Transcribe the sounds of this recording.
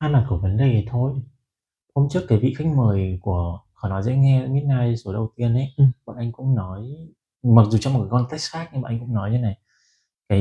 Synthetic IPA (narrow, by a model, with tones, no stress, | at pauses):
ʔaː˧nlaː˨˩ku˧˩əvə˨˦nɗe˨˩ə˨˦jt̪ʰo˧j | ho˧wŋ͡mmt͡ɕɨ˦˥ək̚ːaː˨˦vḭ˧˨xa˦˥k̟̚məː˨˩jku˧˩əxɔ˧˩nɔ˨˦jzɛ̰˧˥ŋɛ˧˦mi˦˥t̚naː˧jso˨˦ɗə˨˧˨wt̪i˧ənʔə˨˦jɓa̰ː˧˨˩ʔa˧jŋ̟kʊ̰˧˥ŋ͡mnɔ˨˦j | ma˨˩zu˨˩t͡ɕɔ˧ŋ͡mm̚˨˩kaː˨˦kɔ˧nt̪ɛ˦˥st̚xaː˦˥k̚ɲ˧a̰ː˨˧˨ʔŋkʊ̰˧˥ŋ͡mnɔ˨˦jɲə˨˧˦na˨˩j | kaː˨˦